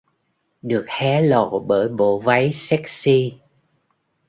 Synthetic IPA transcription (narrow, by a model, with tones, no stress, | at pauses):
ɗɨ˨˩ək̚hɛ˨˦lo̰˧˨ɓəː˧˩jɓo̰˧˨va˨˦jsɛ˦˥k̚si˧